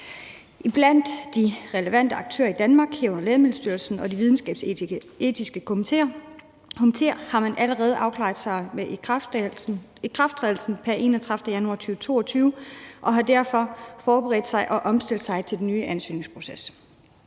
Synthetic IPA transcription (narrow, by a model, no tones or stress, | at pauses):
ʔib̥læn̰d̥ːiʁɛləʋæn̰d̥əɑ̈ɡ̥̚t͡sʰø̰ːɐid̥ænmɑ̈ːɡ̥hiɐɔ̽nɐlɛːðˠmeð̩̰ˠsd̥yɐlsn̩ɒ̽diʋið̞ˠn̩sɡ̥ɛ̰ːb̥s | e̝̰ːd̥ʰisɡ̥əkʰoeɐ | kʰomit͡sʰe̝̰ɐhɑ̈mænʔæləʁɛːð̞̩ˠʔɑ̈ʊkʰlɑ̰̈ːðˠsɑ̈ɪme | ikʰʁɑfd̥ʰʁɛðˠl̩sn̩pʰæɐʔe̝̰ːnɒt͡sʰʁɑfd̥əjænuɑ̰̈ːt͡sʰyːʊt͡sʰo̝̰ːɒt͡sʰyːʊʔɒ̽ɦɑ̈d̥æɐfɒ̽fɒːb̥eʁɛːd̥sɑ̈ɪʔɒ̽ʔɒ̽msd̥e̝l̰d̥sɑ̈ɪt͡sʰe̝ld̥en̩ːyːʔænsy̰ːne̝ŋspʰʁo̝ses